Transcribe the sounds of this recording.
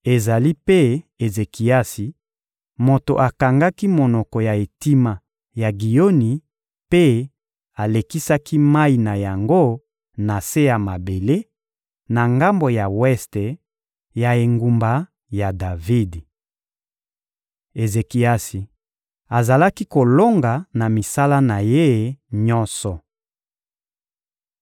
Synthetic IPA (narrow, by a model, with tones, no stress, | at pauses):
e˨za˨li˦pe˦e˨ze˨ki˨a˦si˨ | mo˨to˨ʔa˨ka˨ŋɡa˦ki˦mo˨nɔ˨kɔ˨ja˨e˨ti˦ma˨ | ja˨ɡi˨jo˦ni˨ | pe˦ | a˨le˨ki˦sa˦ki˦ma˦i˨na˨ja˨ŋɡo˦ | na˨se˦ja˨ma˨be˨le˦ | na˨ŋɡa˦mbo˨ja˨wɛ˦ste˨ | ja˨e˨ŋɡu˨mba˨ | ja˨da˨vi˦d | e˨ze˨ki˨a˦si˨ | a˨za˨la˦ki˦ko˨lo˦ŋɡa˨na˨mi˨sa˦la˦na˨je˦˨ɲɔ̃˦nsɔ˨